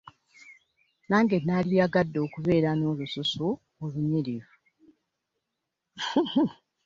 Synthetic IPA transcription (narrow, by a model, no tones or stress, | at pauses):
naːŋɡe̞nalijaɡadːo̞ːkuβe̞ːɾano̞ːlususu | oluɲiɾivu